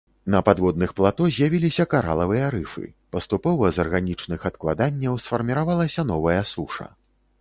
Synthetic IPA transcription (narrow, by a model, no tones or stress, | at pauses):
nɐpad̪vɔd̪̚nɨxplˠat̪ɔzʲjavʲilʲisʲɐkaɾa̰lˠɐvɨjɐɾɨfɨ̰pɐst̪upɔvɐzɐrɣanʲit͡ʂnɨxɐt̪̚klˠad̪anʲːɐwsfɐrmʲiɾavalˠɐsʲɐnɔvɐjɐsuʂɐ̰